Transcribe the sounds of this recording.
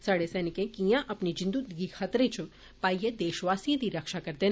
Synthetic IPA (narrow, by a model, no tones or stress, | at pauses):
saːɽesɛːnɪkẽkijãʔɐpnid͡ʒɪ̃nd̪ud̪ɡixʰat̪ɾet͡ʃ | paːijed̪eːʃʋaːsijãd̪iɾɐkʃakɐɾt̪e